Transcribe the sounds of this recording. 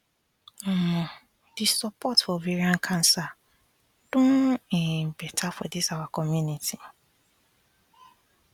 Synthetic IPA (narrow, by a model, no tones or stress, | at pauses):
dɪsɔpʰɔtfɔviɾiãŋ̩kʰãnsa | d̥ʊ̃ĩbɛtʰafɔ̰dɪsawakʰɔmjũnitʰi